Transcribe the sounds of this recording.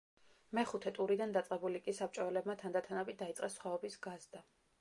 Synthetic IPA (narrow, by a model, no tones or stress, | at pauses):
mɛχut̪ʰɛt̪ʼuɾid̪and̪at̪sʼqʼɛbulikʼisap̚t͡ʃʼɔɛlɛbmat̪ʰand̪at̪ʰanabid̪ait̪sʼqʼɛsχwaɔbisɡazd̪a